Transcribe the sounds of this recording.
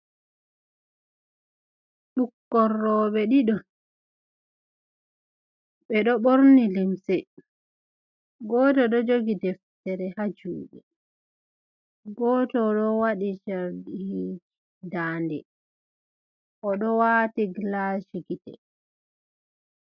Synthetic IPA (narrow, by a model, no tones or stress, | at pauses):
ɗukːɔrːɔɓɛɗiɗɔ | ɓɛɗɔɓoɾnilimsɛ | ɡɔːtɔɗɔd͡ʒoɡidɛftɛɾɛhad͡ʒuːɗɛ | ɡɔːtɔɗɔwaɗit͡ʃaɾdih | daːndɛ | ʔɔɗɔwatiɡlaʃiɡitɛ̰